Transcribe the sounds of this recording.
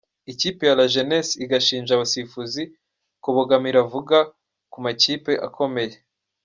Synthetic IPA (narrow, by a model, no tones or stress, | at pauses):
iciːpe̞jalaʒenesiɡaʃiːnʒaβasifuzi | kuβoɡamiɾavuɡa | kumaciːpe̞ʔa̰kʰo̞me̞je